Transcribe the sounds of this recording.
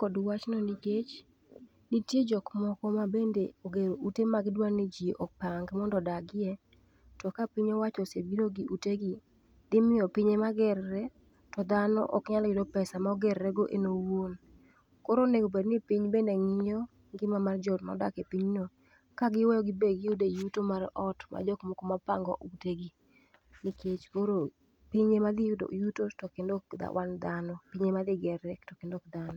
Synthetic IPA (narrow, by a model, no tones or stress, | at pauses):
kɔdwat͡ʃnɔniɡet͡ʃ | nitjed͡ʒɔkmɔkɔmabendeoɡeɾoʔutemaɡɪdwaŋnid͡ʒiʔɔk̚paŋɡmɔndɔdaɡɪɛ | tɔkapiɲowat͡ʃɔsebiɾoɡiʔuteɡɪ | dɪmɪjɔpiɲemaɡɛrːɛ | tɔd̪anɔ̰ʔɔ̰kɲalɡɪdɔpɛsamaɔɡɛɾɾɛɡoʔenowon | koɾoneɡobednipiɲbeneŋɪjo | ŋɡɪmamard͡ʒɔtmɔ̰da̰kepiɲno | kaɡɪwɔjɔɡɪbeɡɪjudejutomarɔtmʔa̰d͡ʒɔkmokomapa̰ŋɡɔ̰ʔuteɡi | nɪkʰet͡ʃkoɾo | piɲemad̪ɪjudo̰jutotɔkendokd̪a̰wʔa̰nd̪anɔpiɲemad̪ɪɡɛrːɛtɔkendɔkd̪anɔ